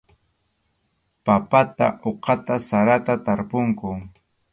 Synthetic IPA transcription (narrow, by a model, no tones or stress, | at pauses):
papat̪a̰ʔoqɑt̪asaɾat̪at̪aɾpoŋkʊ